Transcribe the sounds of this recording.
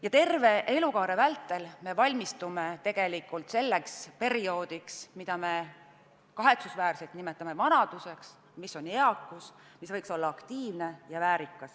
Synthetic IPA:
jɑt̪e̞rve̞ʔe̞lukɑːɾe̞vælt̪ːˑe̞lme̞vɑlʲmist̪ume̞t̪e̞ɡ̥e̞likːˑult̪se̞lːe̞kspe̞ɾio̞ːd̪̥iksmid̪̥ɑme̞ | kɑɦe̞t̪susvæːrselt̪nime̞t̪ːˑɑme̞vɑnɑd̪̥use̞ks | misːo̞neɑkːˑus | misvɤjkso̞lːɑɑkt̪iːvne̞jɑvæːɾikːˑɑs

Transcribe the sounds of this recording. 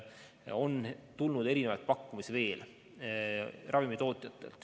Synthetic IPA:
o̞nt̪ulnud̪e̞ɾinevɑ̰jt̪̚pɑkːumisve̞ːl | rʔɑvimit̪o̞ːt̪ˑjɑt̪ːˑe̞̰lt̪ˑ

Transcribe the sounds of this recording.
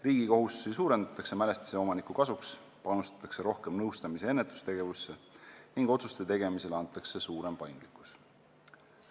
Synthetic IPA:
riːɡ̥iko̞ɦust̪u̥sisuːɾe̞nd̪ɑt̪ːˑɑkse̞mæle̞st̪i̥seo̞mɑnikukɑsuks | pɑnust̪ɑ̥t̪ːˑɑ̥kse̞ɾo̞hke̞mnɤwst̪ɑmise̞e̞nːet̪ːˑu̥st̪e̞ɡ̥e̞vusːeniŋɡ̥o̞t̪su̥st̪e̞t̪e̞ɡ̥e̞mise̞leɑnt̪ːˑɑkse̞suːɾe̞mpɑjŋɡ̪̥likːˑu̥s

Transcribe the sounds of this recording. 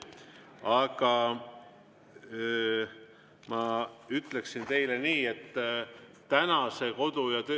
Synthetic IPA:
ɑɡ̥ɑ | mɑyt̪le̞ksint̪e̞jle̞niːe̞t̪ː | ænɑse̞ko̞d̪ujɑt̪ø

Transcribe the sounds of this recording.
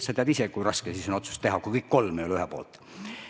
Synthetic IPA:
sɑt̪eɑd̪isekujrɑskesisono̞t̪su̥st̪e̞ɦɑkujkɤjkːko̞lmejolyɦɛpo̞̰ːlt̪ˑ

